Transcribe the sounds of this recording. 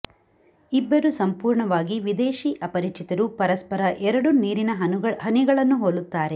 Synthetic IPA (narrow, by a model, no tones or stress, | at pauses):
ibːɐɾusɐmpuːɾɳɐʋaːɡiʋid̪eːʃiʔɐpɐɾit͡ʃit̪ɐɾupɐɾɐspɐɾɐʔɛɾɐɽuniːɾinɐɦɐniɡɐɭɐnːuɦoːlut̪ːaːɾe̞